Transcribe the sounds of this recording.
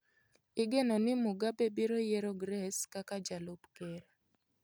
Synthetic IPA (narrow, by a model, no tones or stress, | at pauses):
ɪɡenɔnɪmʊɡabebiɾojeɾoɡɾɛskakad͡ʒalobkɛɾa